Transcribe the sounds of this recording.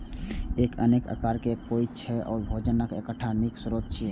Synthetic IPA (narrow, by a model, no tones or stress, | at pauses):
ekə̰nekə̰kaɾkepojt̪̚t͡ʃʰɛʔɔ̰ːɾbʱod͡ʒənːəkḛkəʈʰːaniksuɾot̪̚t͡ʃʰi